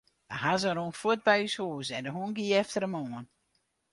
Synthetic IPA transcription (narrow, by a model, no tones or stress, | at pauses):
daɦazəɾoənfut̚bɛjyshoːsɛndəɦunɡiɛftəɾəmoən